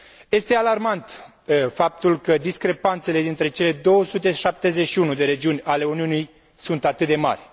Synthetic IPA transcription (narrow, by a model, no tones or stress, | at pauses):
je̞st̪e̞alarmant̪ | fap̚t̪ulkəd̪iskɾe̞pant̪se̞le̞d̪int̪ɾe̞t͡ʃe̞le̞d̪o̞wəsut̪e̞ʃap̚t̪e̞zeʃiunud̪e̞ɾe̞d͡ʒiunʲale̞uniunij | sunt̪at̪ɨt̪̚d̪e̞ma̰rʲ